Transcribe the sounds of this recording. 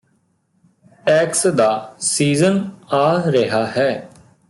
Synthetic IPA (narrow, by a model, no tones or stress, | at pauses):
ʈɛːksd̪aːsiːzənaːɾəɦaːɦɛː